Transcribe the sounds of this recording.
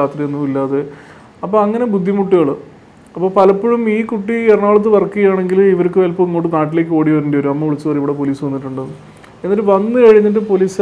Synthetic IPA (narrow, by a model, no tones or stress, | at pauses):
aːt̪rienːumilːaːðe | ɐpːoːɐŋːɐne̞bud̪ʱːimuʈːiɣɐɭɨ | ɐpːo̞ːpɐlɐpːoɻumiːkuʈːieɾɐɳaːɭɐt̪̬ːɨʋɐrkːɨɣɐjaːɳe̞ŋɡiliʋɐɾukːɨʋɐlpːoiŋːoːʈːɨnaːʈ̬ːile̞ːk̬ʲːɨo̞ːɽiʋɐɾunɳɖɐjo̞ɾuɐmːɐʋiɭit͡ɕːuʋɐriʋiɽe̞p̬o̞liːsuʋɐnːiʈːuɳɖɨ | e̞nːɐɾɨʋɐnːɨkɐɻiɲːɐʈ̬ːɨpoliːs